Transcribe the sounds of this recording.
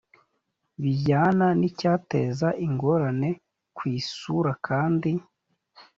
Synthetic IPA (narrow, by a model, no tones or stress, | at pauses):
βiɟaːnanicaːte̞̰zaʔiŋɡo̞ɾane̞ | kwiːsuɾakʰaːndi